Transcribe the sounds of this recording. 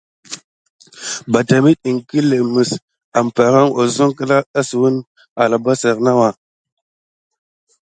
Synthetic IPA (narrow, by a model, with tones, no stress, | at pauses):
ba˨ta˨mi˦ɗi˨ŋki˦le˨mə˨s | a˨m˨pa˨ɾa˦ŋo˨zo˦ŋkə˦la˦a˦si˨wu˦n | a˨la˨ba˦sa˨ɾna˦wa˨